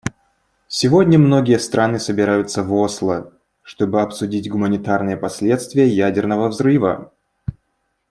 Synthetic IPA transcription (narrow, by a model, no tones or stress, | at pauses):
sʲɪvo̞dʲnʲəmno̞ɡʲɪjəst̪ɾʔanɨsəbʲɪɾajʊt̪səvoslˠə | ʂt̪o̞bɨɐpsʊdʲitʲɡʊmənʲɪt̪arnɨjəpɐsʲlʲe̞t̪st̪vʲɪjəjædʲɪrnəvəvzrɨvə̰